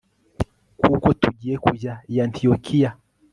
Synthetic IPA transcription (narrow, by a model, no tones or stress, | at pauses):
kukɔtuʄiɛkuzajantʰiɔkʰia